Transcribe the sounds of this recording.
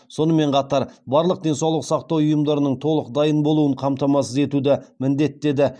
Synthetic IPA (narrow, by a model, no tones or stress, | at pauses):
so̞nəme̞ɴqʰɑt̪ɑɾbɑɾlˠəq̚d̪e̞nsɑwlˠəqsɑqt̪ɑwʊjəmd̪ɑɾənəɴt̪ʰo̞lˠəq̚d̪ɑjənbo̞lˠuəɴqʰɑmt̪ɑmɑsəze̞t̪ud̪ɪmɪnd̪e̞t̪ːe̞d̪ɪ